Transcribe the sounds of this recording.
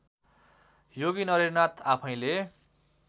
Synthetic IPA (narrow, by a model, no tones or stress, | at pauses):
joɡinʌɾernat̪ʰapʰʌ̃j̃le